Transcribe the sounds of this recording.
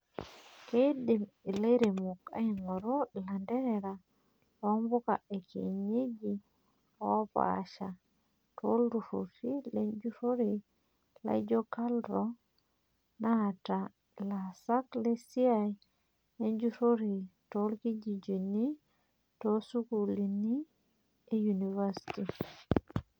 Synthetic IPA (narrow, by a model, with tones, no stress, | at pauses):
kedi˨mi˨le˦ɾe˨mu˨ka̰˦i˨ŋo˨ɾola˨nde˦ɾeɾa | lombu˦ka̰˨e˨kʰḛ˨ɲe˦d͡ʒi˨ | o˦pa̰ʃa˨ | to˦lɾu˨ɾṵ˨ɾi˦le˦nd͡ʒu˦ɾo˦ɾi | la̰˦d͡ʒo˦kaldɾo | nata | la˨sa˦kle˦si˦aj | e˦ɲd͡ʒuɾoɾi˨to˦lki˦d͡ʒi˨d͡ʒi˨ni˦ | tosu˦ku˨li˨ni˦ | e˦junivasi̥ti